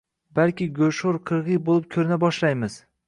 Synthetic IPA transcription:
balˠkʲɪɡoʃʊɾqʰɨɾʁɨjbolˠɪp̚kʲʰɵɾɪnabɒʃlajmɪz̥

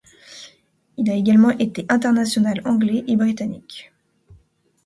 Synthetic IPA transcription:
ilaeɡalmɑ̃ʔet̪eʔɛ̃t̪̬ɛʁnasjɔnalɑ̃ɡlɛʔebʁit̪anḭk

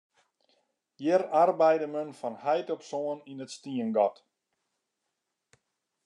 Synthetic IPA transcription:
jɪrarbɛjdəmønfɔnhɛjtoksoəninətstiənɡɔt

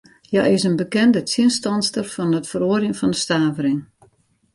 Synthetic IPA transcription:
ja̰ɪsənbəkɛndətʰiənstɑnstərfɔnətfəroərjənfɔndəstaːvəɾɪŋ

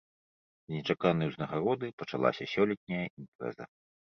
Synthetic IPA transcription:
zʲnʲɛt͡ʂakanɨjwznɐɣaɾɔd̪ɨpɐt͡ʂa̰lˠa̰sʲɐsʲɔlʲɛt̪̚ʲnʲɐjɐimpɾɛ̰zɐ̰

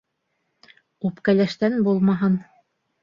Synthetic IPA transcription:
upkælæʃt̪ænbulˠmɑɦɤn

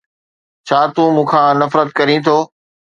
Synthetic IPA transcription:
t͡ɕʰaːt̪uːmũːkʰãːnɐfɾət̪kɐɾĩt̪ʰoː

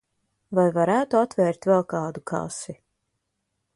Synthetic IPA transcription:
vajvaɾæːt̪uat̪vɛːɾt̪vɛlˠkɑːd̪ukʰa̰si

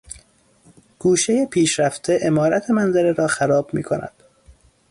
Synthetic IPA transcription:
ɡ̥uːʃejepʰiːʃɾæft̪ʰeʔemɒːɾæt̪ʰe̞mænzæɾeɾɒːxæɾɒːb̥mḭːkʰonæ̰d̪̥

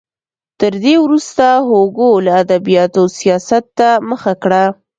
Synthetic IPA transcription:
t̪əɾd̪ewɾust̪aɦoɡolaad̪abijɑt̪osijɑsat̪ːaməxakɽa

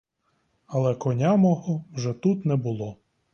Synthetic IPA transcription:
ɐlˠɛkɔnʲamɔɦɔwʒɛt̪ut̪nɛbʊlˠɔ

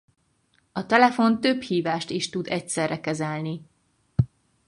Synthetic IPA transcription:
ɒt̪ɛlɛfo̞nt̪ø̞bhiːvaːʃt̪iʃt̪ud̪ɛcsɛrːʔɛkɛzɛlni

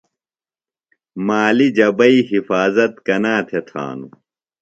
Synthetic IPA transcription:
maːlid͡ʑɐbɐiɦifaːzɐt̪kɐnaːt̪ʰet̪ʰa̰ːnu

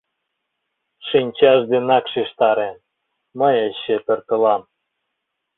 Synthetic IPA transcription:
ʃinʲt͡ɕɑʒd̪enɑkʃiʃt̪ɑɾe | məjeɕːet̪ə̆rt̪ə̆lɑm

